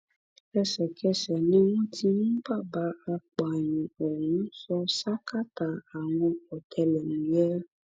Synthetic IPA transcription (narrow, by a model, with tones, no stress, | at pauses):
ɛ˦sɛ˨kʰɛ˦sɛ˨nẽ˦wũ˦t̪ʰi˦ŋũ˦ba˦ba˨˦a˨k͡pa˨ɲĩ˨oɔ˨ŋũ˨˦sɔ˦sa˦ka˦t̪a˨a˨w̃ɔ̃˦ɔ˨t̪ʰɛ˨lɛ˨nũ˨jɛ˦